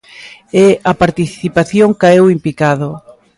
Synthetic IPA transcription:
ɛɐpaɾt̪iθipaθjoŋkaɛwimplikaðo

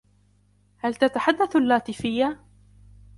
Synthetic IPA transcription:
halt̪at̪aħad̪ːaθalːaːt̪ɪfɪjːa

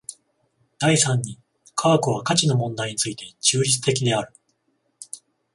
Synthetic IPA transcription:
d̪̥aisãɲ̟ːi | kʰaːkoβ̞akat͡ɕino̞mõ̞nd̪aiɲ̟it͡sɨit̪e̞t͡ɕɨːɾʲit͡sɨ̥t̪e̞kʲid̪e̞aɾɯ̟

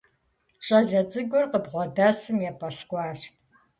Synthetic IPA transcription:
ɕʼɐɮɐd͡zʼɨɡʷʊrqəbʁʷɔdaːsɨmjɛpʼɐskʷʼɑːɕ

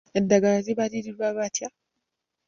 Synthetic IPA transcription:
endaɡaziβaɾiɾiɾwaβatʰja

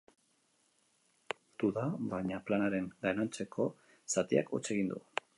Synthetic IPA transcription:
t̪uðaβaɲaplanaɾe̞ŋɡajnant͡se̞kʰo̞ | sat̪ia̰kʰo̞̰t͡se̞ɣ̞ind̪ṵ

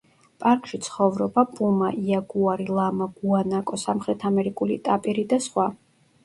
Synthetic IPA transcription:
pʼaɾkʼʃit̪sʰχɔvɾɔbapʼumaʔiaɡuaɾilˠamaɡ̥uanakʼɔsamχɾɛt̪ʰamɛɾikʼulit̪ʼapʼiɾid̪asχwa

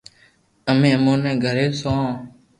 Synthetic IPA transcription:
əmẽːəmõːnɛ̃ːɡʱəɾeːsõː

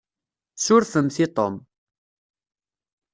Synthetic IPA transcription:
suɾθəmθit̪ˤom

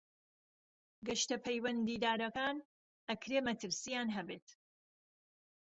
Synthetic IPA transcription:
ɡɐʃt̪ɐpʰɐjwɐnd̪iːd̪aːɾɐkaːn | ɐkɾeːmɐt̪ʰɨɾsijaːnɦɐbeːt̪

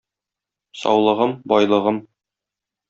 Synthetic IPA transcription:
sɒ̰wlˠɤ̆ʁɤmbɒjlˠɤ̆ʁɤm

